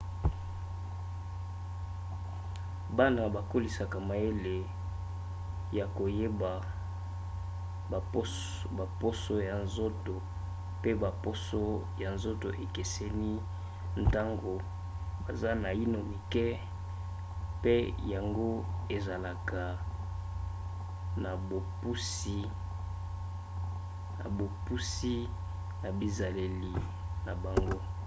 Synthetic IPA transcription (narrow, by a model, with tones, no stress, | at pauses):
ba˦na˨ba˨ko˦li˨sa˨ka˨ma˨je˦le˨ | ja˨ko˨je˦ba˨˦ | ba˨po˦so˦ja˨nzo˦to˨ | pe˦ba˨po˦so˦ | ja˨nzo˦to˨ʔe˨kɛ˨sɛ˦ni˦ | n˨ta˦ŋɡo˨ | ba˨za˦na˨i˦no˨mi˨kɛ˦ | pe˦ja˨ŋɡo˦e˨za˨la˨ka˨ | na˨bo˨pu˦si˦ | na˨bo˨pu˦si˦ | na˨bi˨za˨le˨li˨ | na˨ba˨ŋɡo˦